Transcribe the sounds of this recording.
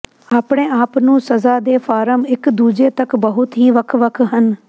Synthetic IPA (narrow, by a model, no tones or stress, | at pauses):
aːpɽ̃eːaːpnũːsəzaːd̪eːfʰaːɾəmɪkd̪uːd͡ʒeːt̪əkbəɦʊt̪ɦiːʋəkʰʋəkʰɦən